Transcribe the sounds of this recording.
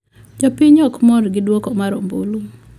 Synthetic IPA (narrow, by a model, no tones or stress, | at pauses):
d͡ʒɔpɪɲɔkmɔɾɡɪdwokɔmaɾombo̰lu